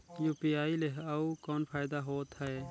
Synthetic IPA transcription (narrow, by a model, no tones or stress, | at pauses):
juːpiaːileɦɐukɔːnpʰaːjɪd̪aɦoːt̪ɦɛe